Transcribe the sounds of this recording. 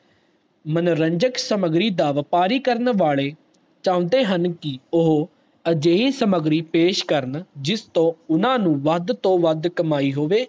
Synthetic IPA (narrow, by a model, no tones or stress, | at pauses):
mənɾəɲd͡ʒəksəməɡɾiːd̪aːʋəpaːɾiːkəɾnʋaːɭeː | t͡ʃãːʊ̃nd̪eːɦənkɪʊɦ | əd͡ʒeːĩnsəməɡɾiːpeːʃkəɾnd͡ʒɪst̪õːʊnãːnũːʋəd̪t̪õːʋəd̪kəmaːiːɦoːʋeː